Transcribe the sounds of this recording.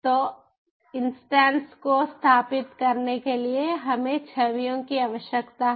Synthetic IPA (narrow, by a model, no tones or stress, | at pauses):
t̪oː | ɪnsʈɛ̃ːnskost̪ʰaːpɪt̪kɐɾnekelieɦɐmẽt͡ʃʰɐʋijõkiaːʋəʃjəkt̪aɦ